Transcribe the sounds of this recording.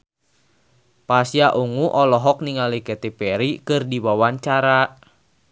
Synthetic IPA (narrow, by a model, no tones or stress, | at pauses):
pasjaʔuŋuʔɔlɔɦɔk̚niŋalikɛt̪ipɛɾikɨrdiwawaɲt͡ʃaɾa